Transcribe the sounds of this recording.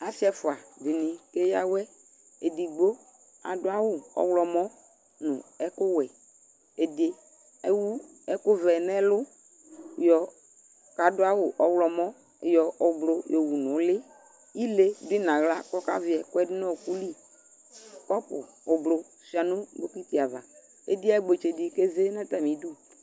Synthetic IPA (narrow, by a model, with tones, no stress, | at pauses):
a˨fi˦a˨fʊ˨a˨di˨nĩ˨ke˦ja˦wɛ˦ | e˨di˨ɡ͡bo˦ | a̰˨dʊ˦a˦wʊ˦ɔ̰˦wlɔ˨mɔ̃˦ | nʊ̰̃˨ɛ˦kʊ˦wɛ˨ | e˨de˨ | e˦wu˦ | ɛ˦kʊ˦vɛ˨nɛ̃˦lʊ˦ | jɔ˨ | ka˨dʊ˦a˦wʊ˨ʔɔ˨˦wlɔ˨mɔ̃˦˨ | jɔ˨o˨blo˨jɔ˨wu˨nʊ̃˨˦lɪ˦ | ji˦le˦dʊ˦i˦nã˨ɣla˦kɔ˦ka̰˦vi˨˦ɛ˨kʊ˦ɛ˦dɪ˦nɔ̃˦˨ku˦li˦ | kɔ˦pʊ̰˨ | ʊ˨blo˨ | si˨˦a˨nʊ̃˦do˦ku˦i˦ti˨a˨va˨ | ḛ˦di˦ɛ˦ɡ͡be˨t͡ʃe˨di˨ke˦ze˦nã˦t̪a˨mĩ˨˦du˦